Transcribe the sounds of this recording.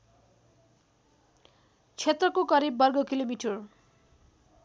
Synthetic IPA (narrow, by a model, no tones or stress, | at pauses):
t͡sʰet̪rʌkokʌɾibːʌrɡʌkilomiʈʰʌr